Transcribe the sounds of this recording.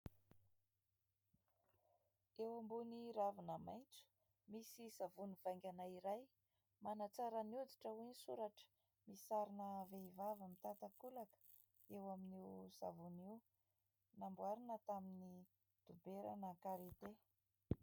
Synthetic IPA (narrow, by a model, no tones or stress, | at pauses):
ewambuniɾavunəmajnt͡su̥ | misisavuniv̥ajŋɡʲanaiɾaj | manat͡saɾənud̪iʈ͡ʂəwinisuɾaʈ͡ʂə̥ | misaɾinəveivavəmit̪at̪akulakə̥ | ewaminiuz̥a̰vuniw | nambuaɾinət̪amini | d̪̥ubeɾa̰nəkaɾit̪e